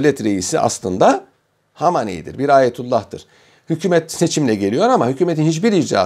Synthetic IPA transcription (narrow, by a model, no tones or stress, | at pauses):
lʲɛt̪ɾe̞jisiʔa̰slˠɯnd̪a | hamanḭjḭd̪ḭɾbiɾaːjet̪ʰulˠːaht̪ɯɾ̥ | hycʰyːmɛt̪se̞t͡ʃʰimlʲɛɟe̞lʲijo̞ɾamaɦycʰyːmeinhit͡ʃbiɾid͡ʒd̪a̰ː